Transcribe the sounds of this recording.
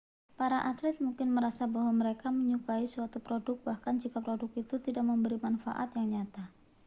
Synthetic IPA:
paɾaʔat̪lɪt̪̚muŋkɪnməɾasabaɦwaməɾekaməɲukaisuat̪upɾodʊk̚bahkand͡ʒikapɾodʊk̚it̪ut̪idak̚məmbəɾimanfa̰ʔa̰t̪jaŋɲat̪a

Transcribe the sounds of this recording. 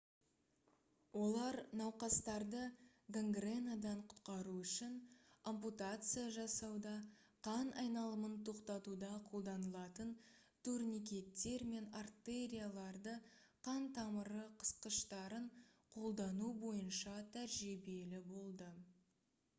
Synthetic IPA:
wo̞lˠɑɾnɑwqɑst̪ɑɾd̪ə | ɡaŋɡre̞nad̪ɑɴqʰʊ̥t̪qɑɾuʏʃɪnomput̪at̪sɨjaʒɑsɑwd̪ɑ | qʰɑnɑjnɑlˠəmənt̪ʰo̞qt̪ɑt̪ud̪ɑqʰo̞lˠd̪ɑnəlˠɑt̪ən | t̪ʰuɾnik̬ʲe̞t̪ːe̞ɾme̞nart̪eɾʲijalˠɑɾd̪əqʰɑnt̪ʰɑməɾəqʰə̥sqəʃt̪ɑɾəɴqʰo̞lˠd̪ɑnubo̞jənʃɑt̪ʰæɾʒibe̞lɪbo̞lˠd̪ə

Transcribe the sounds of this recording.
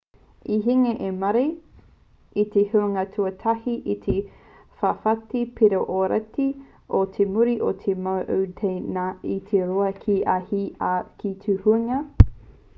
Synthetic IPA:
iɦiŋeʔemɐɾej | it̪ehuɐŋɐtʰuɐtʰɐhiʔit̪ʰe | fafɐtipʰeɾoʔoɾɐ̰ti | ʔot̪ʰemuɾiʔot̪ʰemawʔowtʰejnait̪ʰeɾoɐkʰiʔahiakʰitʰuhuɐŋɐ

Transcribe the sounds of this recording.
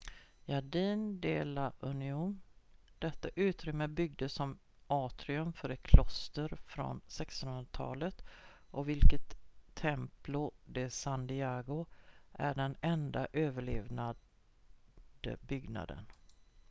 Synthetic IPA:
jaɖiːnd̪eːlaʔɵnɪuːnd̪̥ɛt̪ːaʔʉ̟ːt̪ɾʏmːəbʏɡ̚d̪əsɔm | ʔɑːt̪ɾɪɵmfœɾɛkʰlɔst̪əɾfɾɔ̰nsɛkst̪ɔnhɵnɾat̪ʰɑ̰ːlət̪ʔɔvɪlkət̪ʰːɛmplʊd̪ɛsand̪ɪaɡʊʔæ̰ɖɛnɛnd̪aʔøːvəɭeːvna | d̪̥ə̰bʏɡna̰d̪ə̰n

